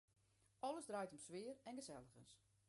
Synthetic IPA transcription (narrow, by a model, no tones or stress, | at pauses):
ʔɔləzdrajtɔmsʋɪərɛnɡəzɛlˠəɣə̰ns